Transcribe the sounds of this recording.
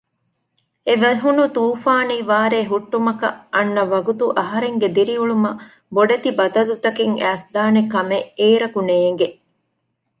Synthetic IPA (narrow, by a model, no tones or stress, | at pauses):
eʋɐɦunut̪uːfaːniːʋaːɾeːɦuʈːumɐkɐ̰ʔɐnːɐʋɐɡut̪uʔɐɦɐɾeŋɡed̪iɾiuɭumɐ | boɖɐt̪ibɐd̪ɐlut̪ɐkiŋæːsd̪aːnekɐmeʔeːɾɐkuneːŋ̆ɡe